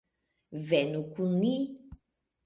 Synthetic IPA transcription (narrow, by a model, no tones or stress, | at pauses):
vɛnũkunĩ